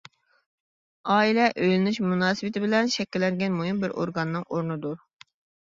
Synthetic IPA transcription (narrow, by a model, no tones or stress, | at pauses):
ɑːilɛʔøjlɪnyʃmunɑːsɨwɨt̪ʰɪbɪlɛnʃɛkʲːilːɛŋɡʲɛnmoɦimbɪɾʔo̰ɾɡɑnːɨŋoɾnɨd̪uɾ